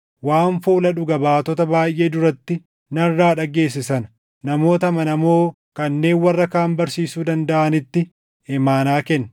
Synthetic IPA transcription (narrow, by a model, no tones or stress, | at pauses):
waːnfuːlɐᶑʊɡɐbaːt̪ɔt̪ɐbaːjʔe̞ːd̪ʊɾɐt̪ːɪ | nɐrːaːᶑɐɡe̞ːs̬ːɪsɐn | nɐmo̞ːt̪ɐmɐnɐmo̞ː | kɐnːe̞ːnwɐrːɐkaːmbɐɾsiːsuːd̪ɐnd̪ɐʔɐnɪt̪ːɪ | ɛmaːnaːkɛnː